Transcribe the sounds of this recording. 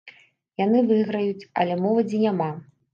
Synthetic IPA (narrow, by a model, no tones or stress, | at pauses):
janɨvɨɣɾɐjut͡sʲɐ̰lʲɛmɔvɐd͡zʲinʲama